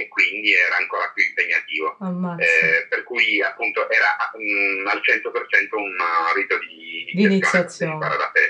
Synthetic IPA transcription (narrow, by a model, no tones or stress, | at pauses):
ekːwind̪iɛːɾaːŋkoːɾapjuimpeɲːat̪iːvomaɛperkujapːunt̪oʔɛːɾaʔaalt͡ʃɛnt̪opert͡ʃɛnt̪ounabit̪od̪id̪id̪insit̪osjaessːjjot͡ʃinpaːɾad̪apɛ̰